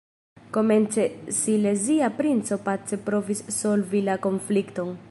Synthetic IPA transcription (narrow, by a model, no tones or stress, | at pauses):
ko̞me̞nt͡se̞sile̞ziapɾint͡so̞pat͡sepɾo̞visːo̞lvilako̞nflikto̞n